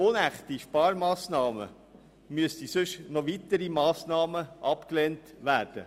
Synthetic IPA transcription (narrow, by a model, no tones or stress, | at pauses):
onæχt̪iʃpɑːɾmɑːsnɑːmə̰ | myəstisɵʃnɔʋit̪əɾimɑːsnɑːməʔɑpklent | ʋæːɾd̥ə̰